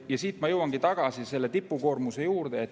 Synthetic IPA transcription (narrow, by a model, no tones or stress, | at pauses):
jɑsiːt̪mɑjɤwɑŋɡ̥it̪ɑɡ̥ɑsise̞lːe̞t̪ipːuko̞ːrmuse̞juːrd̪̥e̞ːt̪ː